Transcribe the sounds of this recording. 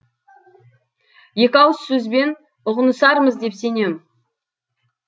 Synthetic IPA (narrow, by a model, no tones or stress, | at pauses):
je̞kʲɑwəsːɵzbe̞n | ʊʁənəsɑɾməzd̪e̞pse̞ne̞m